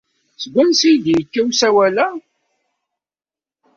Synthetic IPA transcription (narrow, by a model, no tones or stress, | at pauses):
sɡʷːænsijd̪jəkːæwsæwælæ